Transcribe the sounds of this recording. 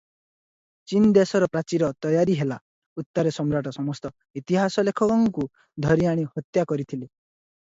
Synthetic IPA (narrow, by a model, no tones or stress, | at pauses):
t͡ʃind̪esɔɾɔpɾat͡ʃiɾɔt̪ɔjaɾiɦela | ut̪ːɔɾesɔmɾaʈɔsɔmɔst̪ɔ | it̪iɦasɔlekʰɔkɔŋku | d̪ʱɔɾiaɽ̃ihɔt̪jakɔɾit̪ʰile